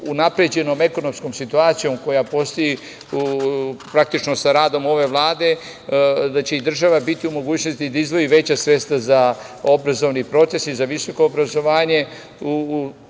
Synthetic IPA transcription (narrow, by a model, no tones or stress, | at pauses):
unapɾed͡ʑe̞no̞me̞ko̞no̞mskomsit̪uaːt̪sijo̞mko̞japo̞st̪o̞ji | upɾak̚t̪it͡ʃno̞saɾaːd̪o̞mo̞ʋe̞ʋlˠaːd̪e | d̪at͡ɕe̞id̪r̩ʒaʋabit̪iumo̞ɡuːt͡ɕno̞st̪id̪aizd̪ʋo̞jiʋe̞t͡ɕasʋe̞st̪aza | obɾazo̞ʋnipɾo̞t̪se̞sizaʋiso̞ko̞ːbɾazo̞ʋaːɲe̞ | u